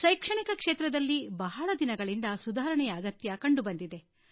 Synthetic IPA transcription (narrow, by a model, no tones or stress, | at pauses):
ʃɐjkʂɐɳikɐkʂeːt̪ɾɐd̪ɐlːibɐɦɐɭɐd̪inɐɡɐɭind̪ɐsud̪aːɾɐɳɛjɐːɡɐt̪jɐkɐɳɖubɐnd̪id̪e̞